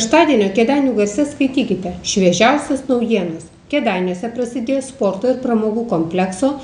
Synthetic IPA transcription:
ɛʃt̪ɑːd̪ʲiɛnʲoːkʲɛd̪ɑɪnʲuːɡɐɾʲsʲɛskɐɪt̪ʲiːkʲɪt̪ʲɛʃʲʋʲiɛʒʲæʊsʲɛsnɒʊjiɛnoːs | kʲɛːd̪ɑˑɪnʲuɔsʲɛpɾɐsʲɪd̪ʲeːjːspoːɾt̪oːɪɾpɾɐmoːɡuːkoːmʲpʲlʲɛksoː

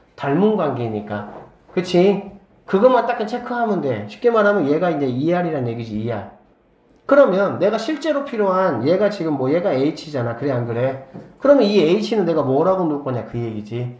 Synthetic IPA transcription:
taɭmunɡwaŋɡeiɲik͈a̰ | kɯt͡ɕʰi | kɯɡʌmant͈ak͈ːɯnt͡ɕʰekʰɯɦanɯnde̞ɕʰi̥p̚k͈e̞maɾɦamjʌnje̞ɡaind͡ʑe̞ieɦaɾiɾanje̞ɡid͡ʑiːeɦa | kɯɾʌmjʌnːe̞ɡaɕʰiɭt͡ɕ͈e̞ɾopʰiɾjoɦanje̞ɡat͡ɕiɡɯmːwʌje̞ɡae̞it͡ɕʰid͡ʑanakɯɾeɦanɡɯɾe̞kɯɾʌmjʌnie̞it͡ɕʰinɯnːe̞ɡamwʌɾaɡonuk͈ʌɲakɯje̞ɡid͡ʑi

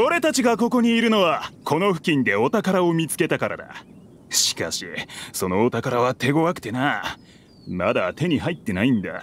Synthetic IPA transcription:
oɾe̞t̪at͡ɕiɡako̞ko̞ɲ̟iːɾɯ̟no̞βakʰo̞no̞ɸɯ̟kʲĩnd̪e̞o̞t̪akaɾaomʲit͡sɨ̥ke̞t̪akaɾa̰d̪a̰ | ɕi̥kaɕḭso̞no̞ːt̪akaɾaβat̪e̞ɡo̞βakɯ̟̥t̪e̞na | mad̪at̪e̞ɲ̟iɦait̪ːe̞naĩnd̪a̰

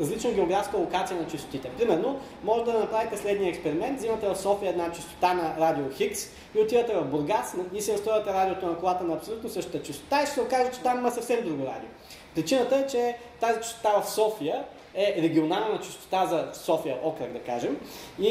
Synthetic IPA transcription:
ɾɐzlit͡ʃnəɡʲɛoɡɾafskəlˠokat̪sijənɐt͡ʃist̪o̥t̪it̪ɛpɾimɛɾno | mɔʒɛd̪ɐnɐpɾavit̪ɛslɛd̪niəɛkspɛɾimɛnt̪zimɐt̪ɛvɐfsɔfiəɛd̪nat͡ʃist̪o̥t̪anɐɾad̪ioxiks | iot̪ivɐt̪ɛvɐvboɾɡasnɐvisɛnɐst̪ɾɔvət̪ɛɾad̪ʲiot̪onɐkolˠat̪ənɐːpsolʲut̪nosɤʃt̪ə̥t̪ət͡ʃist̪o̥t̪aiʃɛ̥sɛokaʒɛt͡ʃɛ̥t̪amimɐsɐfsɛmd̪ɾuɡoɾa̰d̪io | pɾit͡ʃinət̪əɛt͡ʃɛ | t̪azit͡ʃɪ̥st̪o̥t̪avɐfsɔfijə | ɛɾɛɡʲionalˠnət̪ət͡ʃi̥st̪o̥t̪azɐsɔfijəʔɔkɾəkd̪ɐkaʒɛm | i

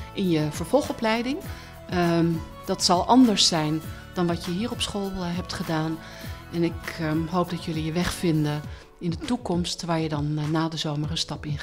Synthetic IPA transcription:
ʔɪnjəvəɹv̥ɔlˠχɔplɛjdɪŋ | d̥ɑtsɑlˠʔɑndəɹsɛjn | d̥ɑnʋɑtjəɦiːɹɔpsχolˠɦɛp̚tχədaːn | ɛnɪkɦowp̚dɑtjɵlijəʋɛχfɪndə | ɪndətukɔmstʋaːɹjədɑnːaːdəzowmərənstɑpɪn

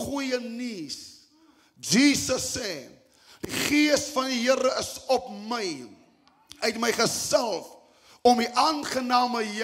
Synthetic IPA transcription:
χujənis | d͡ʒiːsəsɛː | d̥iχiəsfɐndiɦəɾəəsɔpməj | ətməjχəsɛlˠf | ɔmiʔɑːnχənɑːməj

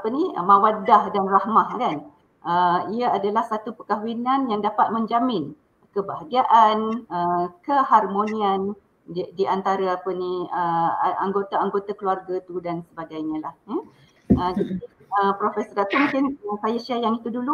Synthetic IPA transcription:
apəniəmãwadahdanrahmahkan | ʔəiəadalahsat̪upəkaɦwinãnjaŋdapat̪̚mə̃ɲd͡ʒamɪn | kəbaɦaɡiaʔanəkəɦarmonĩan | diant̪aɾaapəniəa̰ŋɡot̪aaŋɡot̪akluarɡat̪udansəbaɡajɲãlah̩ | əd͡ʒadiəpɾofɛsɔɾat̪umũŋkɪnəkajasiajaŋit̪udulu

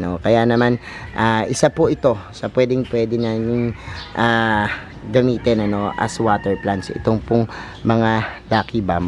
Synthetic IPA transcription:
no̞kɐjanɐmanʔaːʔɪsapʊʔɪt̪o̞sɐpwɛd̪ɪŋpwɛːd̪ɪnaɲʊŋʔaː | ɡɐmiːt̪ɪnɐno̞ʔɐ̰swaːt̪ɛɹplansʔɪ̰t̪o̞ŋpʊŋ | mɐŋalaːkɪbam

